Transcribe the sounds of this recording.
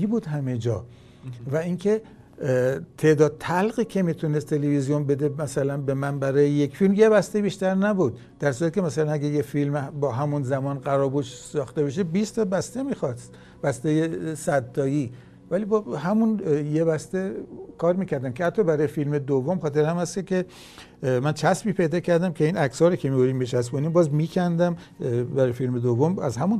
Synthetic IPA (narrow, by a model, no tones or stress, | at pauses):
ibuːd̪ɦæmed͡ʒɒ̰ː | væinkʰe̞ | t̪ʰe̞ʔd̪ɒːd̪̚t̪ʰælɣiːkʰe̞miːt̪ʰunest̪ʰːelevizijonbe̞d̪emæsælænbemænbæɾɒːjejekfilmjebæst̪ebiːʃt̪æɾnæbuːd̪ | d̪̥æɾsuɾæt̪i̥cʰʲemæsælænæɡæjefilmbɒːɦæmunzæmɒːnɢæɾɒːbuʃsɒːxt̪ebeʃ̬ebist̪ʰɒːbæst̪emiːxɒst̪ | bæst̪ejesæd̪ːɒːjiː | vælibɒhæmunjebæst̪ekʰɒːɾmiːcʰæɾd̪æmkʲʰeæt̪ʰːɒːbæɾɒːjefilmed̪ovːomxɒːt̪eɾæmhæskekʰʲe | mænt͡ʃʰæsbiːpʰe̞jd̪ɒːkcʰæɾd̪æmcʰeiːnæksɒːɾikʰemiːɡuɾiːmbet͡ʃʰæsbuniːmbɒːzmiːcʰænd̪æm | bæɾɒːjefilmed̪ovːomæ̰zɦæmun